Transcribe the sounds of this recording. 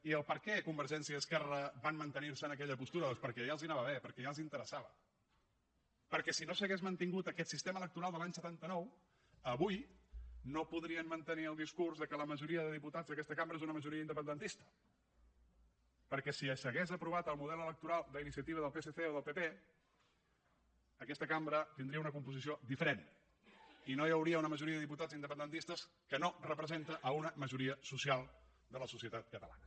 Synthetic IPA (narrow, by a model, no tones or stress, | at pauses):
iəlˠpəɾkɛkumbəɾʒɛnsiəːskɛrəβanmənt̪əniɾsənəkɛʎəpust̪uɾəðɔspəɾkɛjalˠzinaβəβepəɾkɛjalˠzint̪əɾəsaβə̰ | pəɾkɛsinosəɣezmənt̪iŋɡut̪əkɛt̪sist̪emələk̚t̪uɾalˠd̪əlaɲsət̪ant̪ənɔw | əβujnopuðɾiənmənt̪əniəlˠd̪iskuɾzðəkələməʒuɾiəðəðiput̪ad͡zðəkɛst̪əkambɾəezunəməʒuɾiəind̪əpənd̪ənt̪ist̪ə̥ | pəɾkɛsiəsəɣezəpɾuβ̞at̪əlˠmuðɛlələk̚t̪uɾalˠd̪əinisiət̪iβ̞əðəlˠpeseθeoðəlˠpepe | əkɛst̪əkambɾət̪ind̪ɾiəunəkumpuzisiod̪ifəɾen | inojəwɾiəunəməʒuɾiəðəðiput̪ad͡zind̪əpənd̪ənt̪ist̪əs | kənorəpɾəzent̪əʔəunəməʒuɾiəsusialˠ | d̪ələsusiət̪at̪̚kət̪əla̰nə